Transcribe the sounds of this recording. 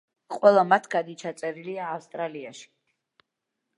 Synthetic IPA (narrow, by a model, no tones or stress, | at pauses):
qʼwɛlˠamat̪ʰɡad̪it͡ʃʰat̪sʼɛɾiliaːfst̪ʼɾaliaʃi̥